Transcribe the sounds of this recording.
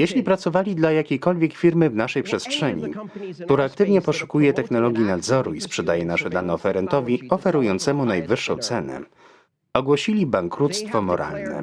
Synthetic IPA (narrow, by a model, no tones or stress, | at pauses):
jeɕlʲipɾat̪sɔvalʲid̪lajakʲejkɔlvʲjɛkfʲiɾmɘvnaʂɛjpʂɛstʂɛɲḭkt̪uɾaːkt̪ɘvɲɛpɔʂu̥kujɛt̪ɛxnɔlɔɡʲjinad̪zɔɾuispʂɛd̪ajɛnaʂɛd̪anɛɔfɛɾɛnt̪ɔvʲiɔfɛɾujɔnt̪sɛmunajvɘʂːɔ̰̃w̃t̪sɛnɛ̰ | ɔɡwɔɕilʲibaŋkɾut̪st̪fɔmɔɾa̰lnɛ̰